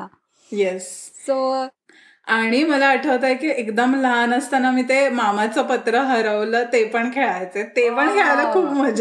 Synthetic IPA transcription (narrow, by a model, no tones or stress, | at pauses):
jesso | aɽ̃iməlaːʈʰəʋt̪ajkiːʔekd̪əmləɦanəst̪anamiːt̪emamat͡səpət̪ɾəɦəɾəʋlət̪epəɳkʰeɭajt͡set̪epəɳkʰeɭaləkʰuːpməd͡zʱa